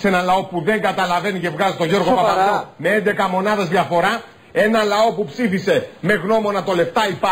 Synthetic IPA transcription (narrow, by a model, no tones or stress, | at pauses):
se̞nɐlɐo̞puðe̞ŋɡɐt̪ɐlɐve̞nice̞vɣɐzit̪oʝo̞ɾɣopɐpɐd̪ome̞e̞nd̪e̞kɐmo̞nɐðɐzðʝɐfo̞ɾɐ | e̞nɐlɐo̞pupsifise̞me̞ɣno̞mo̞nɐt̪o̞le̞ft̪ɐipɐ